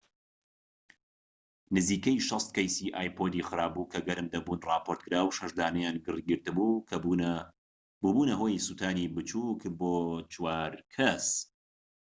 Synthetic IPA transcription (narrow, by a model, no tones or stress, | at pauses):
nɨziːkɐjʃɐst̪̚kɐjsiːʔaːjpʰod̪iːxɨɾaːbukʰɐɡɐɾɨmd̪ɐbuːnrɑːpʰoɾt̪kʰɨɾaːwʃɐʒd̪aːnɐjaːnɡɨrɡɨɾt̪ɨbuːk | buːbuːnɐɦoːjsuːt̪ʰaːnibɨt͡ʃuːkboːt͡ʃʰwaːɾkʰɐs